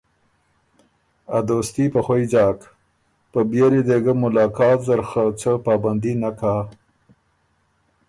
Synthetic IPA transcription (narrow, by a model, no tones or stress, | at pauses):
ad̪oːst̪ipəxwojd͡ʒɑːk | pəbjeɾid̪eɡəmʊlɑːkɑːt̪zaɾxət͡səpɑːband̪inaka